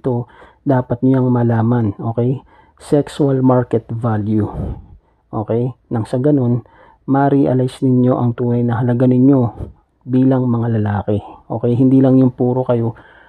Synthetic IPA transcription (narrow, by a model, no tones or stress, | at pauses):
t̪o̞ | d̪aːpɐt̪̚ɲʊjaŋmɐlaːmɐnʔo̞ːkɛj | sɛksualmaɹkɛt̪valju | ʔo̞ːkɛjnɐŋsɐɡɐno̞n | mɐɾiʔɐlajsnɪɲjo̞ʔɐŋt̪uːnɐjnɐɦɐlɐɡanɪɲjo̞ | biːlɐŋmɐŋalɐlaːkɛʔo̞ːkɛjhɪnd̪iːlɐŋjʊŋpuːɾo̞kɐjo̞